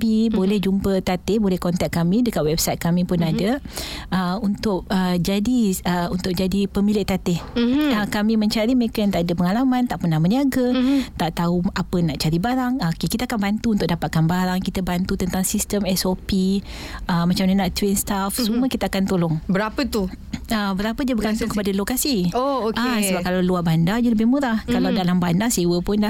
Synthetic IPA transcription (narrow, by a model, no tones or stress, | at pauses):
bibolɛhd͡ʒumpət̪at̪ɪhbolɛhkɔnt̪ak̚kːamĩdəkaʔ̪̚wɛbsajt̪̚kamĩpʊnadəəunt̪ʊʔ̚əd͡ʒadiəunt̪ʊk̚d͡ʒadipəmilɪʔt̪at̪ɪhəkamĩmə̃ɲt͡ʃaɾiməɾekənt̪aʔdəpəŋalamãnt̪aʔpənahməniaɡət̪aʔt̪auapənaʔt͡ʃaɾibaɾaŋəkkit̪əakanbant̪uunt̪ʊk̚ʔ̚dapat̪̚kanbaɾaŋkit̪əbant̪ut̪ənt̪aŋsist̪əmɛsopi | əmːat͡ʃamnanaʔt̪winst̪afsuməkit̪əakant̪olʊŋbəɾapət̪u | abəɾapəd͡ʒabəɡant̪ʊŋkəpadalokasiookasəbap̚kalawluabandad͡ʒaləbɪhmuɾahkalawdalambandasewəpʊnla